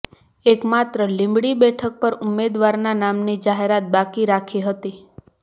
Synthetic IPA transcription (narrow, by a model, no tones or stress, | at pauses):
ekmat̪ɾəlĩmbɽibɛʈʰək̚pəɾʊmːed̪ʋaɾnanamnid͡ʒaɦeɾat̪̚bakiɾakʰiɦət̪i